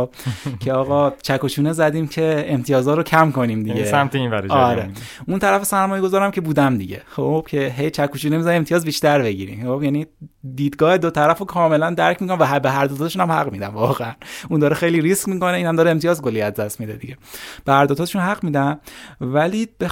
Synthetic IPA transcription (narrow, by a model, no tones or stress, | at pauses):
cʰeɒːɣɒːt͡ʃʰækʰot͡ʃʰuːnezæd̪iːmcʰe̞emt̪ʰijɒːzɒːɾocʰæmkʰo̞niːmd̪iɡesæmt̪einvæɾɒɾɾeunt̪ʰæɾæfesæɾmɒːje̞ɡozɒːɾæmcʰe̞buːd̪æmd̪iɟexob̥cʰe̞ɦejt͡ʃʰækʰːot͡ʃʰuːnemizæniemt̪ʰijɒːzbiːʃt̪æɾbe̞ɟḭːɾḭmobjænid̪iːd̪ɡɒːhed̪ot̪ʰæɾæfokʰɒːme̞lænd̪æɾcʰmikʰonævæɦbeɦæɾd̪ot̪ʰːt̪eʃunæmhæɣmiːd̪æmvɒːɣeænund̪ɒːɾexe̞jliːɾiskmiːko̞neiːnhæmd̪ɒːɾeemt̪ʰijɒːzɡolːijæzd̪æst̪mid̪ed̪iɟe̞b̥ehæɾd̪ot̪ʰɒːt̪eʃunhæɣmiːd̪æmvæliːbe